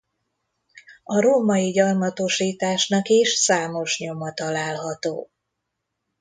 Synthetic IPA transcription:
ɒɾoːmɒjiɟɒrmɒt̪o̞ʃiːt̪aːʃnɒkiʃsaːmo̞ʃɲo̞mɒt̪ɒlaːlɦɒt̪o̰ː

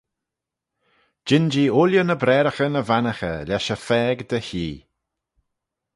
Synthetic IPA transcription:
d͡ʒɪnd͡ʒiːʊljənəbɾɛːɾəxənəvanəxə̰lʲaʃəfɛːɡd̪əçiː

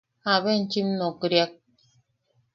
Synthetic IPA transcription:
aβen̩t͡ʃimnokɾjak̚

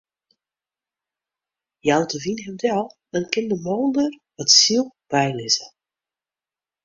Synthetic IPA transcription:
jawdəvinɦɛmdɛlˠ | ənkɪndəmoːndər | ʋɔtsilˠb̥ɛjlɪzə

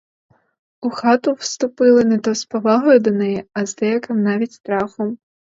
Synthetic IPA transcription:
uxɑt̪ʊwst̪ʊpɪlˠɪnɛt̪ɔspɐʋɑɦɔjʊd̪ɐnɛjɛɐzd̪ɛjɐkɪmnɑʋʲitʲst̪ɾɑxɔm

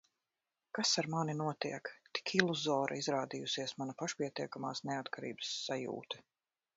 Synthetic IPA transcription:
kasaɾmaninuɔt̪iɛkt̪i̥kʰilˠuzɔːɾʔa̰izɾaːd̪ijusiɛsmanapaʃpiɛt̪iɛkama̰ːsnɛat̪kaɾḭːbə̥sːajṵːt̪ɛ̥

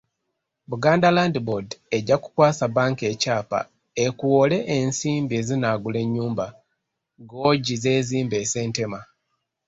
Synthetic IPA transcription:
βuɡaːndalandibode̞ɟːaku̥kwaːsabaːŋke̞ːcaːpa̰ | ekuwole̞ʔensiːmbie̞ːzinaːɡule̞ɲːuːmba | ɡo̞ːɟize̞ːziːmbe̞ːse̞ːnte̞ma

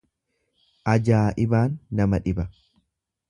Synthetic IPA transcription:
ʔɐd͡ʒaːʔɪbaːnːɐmɐᶑɪbɐ

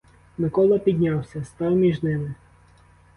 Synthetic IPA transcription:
mɪkɔlˠɐpʲid̪ʲnʲɑwsʲɐst̪ɑwmʲiʒnɪmɪ

